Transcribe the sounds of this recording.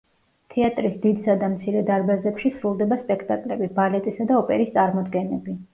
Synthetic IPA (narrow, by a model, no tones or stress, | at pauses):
t̪ʰɛat̪ʼɾisd̪id̪sad̪amt̪sʰiɾɛd̪aɾbazɛpʃisɾulˠd̪ɛbaspʼɛkʰt̪ʼakʼlɛbibalɛt̪ʼisad̪aɔpʼɛ̰ɾist̪sʼaɾmɔd̪ɡɛnɛbi